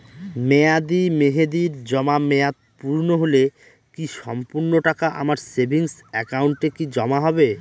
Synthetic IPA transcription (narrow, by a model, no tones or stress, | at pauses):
mɛad̪imeɦed̪iɾd͡ʑɔmamɛat̪̚puɾnoɦole | kiʃɔmpuɾnoʈakaʔa̰maɾsebʱiŋsɛkauɳʈekid͡ʑɔmaɦɔbe